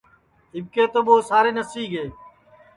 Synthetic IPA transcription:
ɪb̚keːt̪oːɓoːsaːɾeːnəsiːɡeː

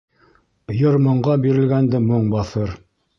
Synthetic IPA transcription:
jŏɾmŏɴɢɑbiɾɘ̆lɡænd̪ɘmoɴbɑθɤɾ

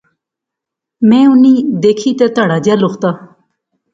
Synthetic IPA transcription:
mɛ̃ːʊniːd̪eːkʰiːt̪ɛːt̪aːɽaːd͡ʒɪjaːlokt̪aː

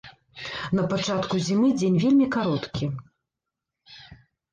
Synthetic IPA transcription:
nɐpat͡ʂat̪kuzʲimɨd͡zʲenʲvʲelʲmʲikaɾɔt̪kʲi

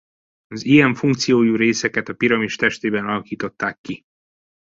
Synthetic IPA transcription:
ɒzijɛɱfuŋk̚t̪sijoːjuːɾeːsɛkɛt̪ɒpiɾɒmiʃt̪ɛʃt̪eːbɛnɒlɒkiːt̪o̞t̪ːaːkːi

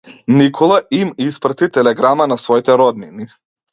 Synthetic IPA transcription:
nikʰɔlˠaimispɾat̪it̪ɛlɛɡɾamanasvɔit̪ɛɾɔd̪nini

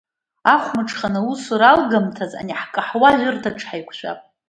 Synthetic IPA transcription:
aχʷmɨʈ͡ʂʰχanɨusuɾalɡamtʰaza̰niħkʼɨħwaʒʲʷʊrtʰaʈ͡ʂʰħajkʷʰʃʷᶣa̰pʼ

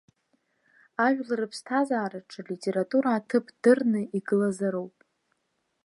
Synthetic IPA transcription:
aʒᶣlarɨpʰstʰazaːɾaʈ͡ʂʰɨlitʼe̞ɾatʼuɾaːtʰɨpʰd̥ɨrnɨiɡɨlazaɾowpʼ

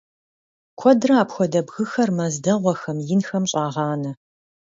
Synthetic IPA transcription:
kʷʰɔdrɐaːpxʷɔdɐbɣɨxɐrmɐzdɐʁʷɔxɐmjɪnxɐmɕʼɑːʁɑːnɐ

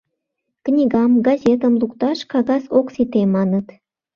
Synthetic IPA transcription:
knʲiɣɑmɡɑzʲet̪ə̆mlˠukt̪ɑʃkɑɣɑsoksit̪emɑnət̪

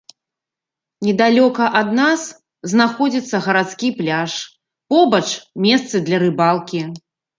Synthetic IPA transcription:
nʲɛd̪alʲɔkɐʔɐd̪nas | znaxɔd͡zʲit̪sːɐɣɐɾat̪skʲiplʲaʂ | pɔbɐt͡ʂmʲɛst̪sɨd̪lʲɐɾɨbalˠkʲi

